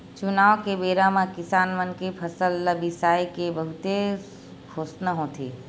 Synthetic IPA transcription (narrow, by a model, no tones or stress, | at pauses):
t͡ʃʊnaːʋkebeːɾamãkɪsaːnmənkepʰɐsəlːəbisaːikebəɦʊt̪e | kʰoːsnəɦõːt̪ʰeː